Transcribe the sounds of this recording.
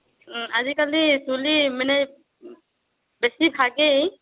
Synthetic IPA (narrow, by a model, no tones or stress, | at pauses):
azikalisulimɛnɛj | besibʱaɡe